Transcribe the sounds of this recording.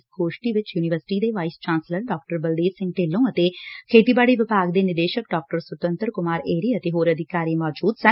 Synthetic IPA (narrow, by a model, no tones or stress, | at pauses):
sɡoːʃʈiːʋɪt͡ʃjuːnɪʋəɾsɪ̥ʈiːd̪eːʋaːist͡ʃãːnsləɾɖɔːk̚ʈəɾbəld̪eːsɪ̃ŋɡʈeːlːõːət̪eːkʰeːt̪iːbaːɽiːʋɪpaːɡd̪eːnɪd̪eːʃək̚ɖɔːk̚ʈəɾsʊt̪ə̃nt̪əɾkʊmaːɾeːɾiːət̪eːɦoːɾəd̪ɪkaːɾiːmɔːd͡ʒuːd̪sɛ